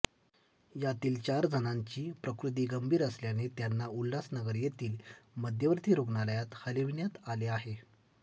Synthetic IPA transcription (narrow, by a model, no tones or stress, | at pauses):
jat̪iːlt͡ɕaɾd͡zʱənaɲt͡ɕiːpɾəkɾut̪̬iːɡəmbʱiːɾəsljanet̪janːaulːasnəɡəɾjet̪iːlməd̪ʱjəʋəɾt̪ʰiːɾoɡnaləjat̪həleʋnjat̪aleaɦe